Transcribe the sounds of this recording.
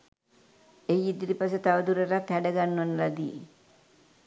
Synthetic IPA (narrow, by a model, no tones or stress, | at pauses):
ejid̪iɾipas̬et̪aʋəd̪uɾeɾat̪hæɖəɡanːʋənəlad̪i